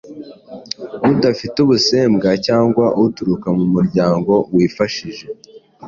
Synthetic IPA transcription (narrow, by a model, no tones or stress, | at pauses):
βudafituβuse̞ːmɡacaːŋɡwaʔuutuɾukamumuɾɟaːŋɡo̞wiːfaʃiʒe̞